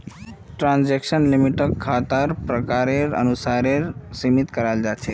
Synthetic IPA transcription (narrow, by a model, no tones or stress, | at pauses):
ʈɾãnd͡ʒekʃənlimiʈəkʰːat̪aɾpɾəkaɾeɾə̰nusaɾeɾsimit̪kəɾald͡ʒat͡ʃʰe